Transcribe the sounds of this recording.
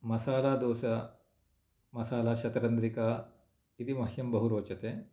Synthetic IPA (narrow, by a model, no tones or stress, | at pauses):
mɐsaːlaːd̪oːsɐ | mɐsaːlaːʃɐt̪ɐɾɐnd̪ɾikaː | it̪imɐɦjɐmbɐɦuɾoːt͡ʃɐt̪eː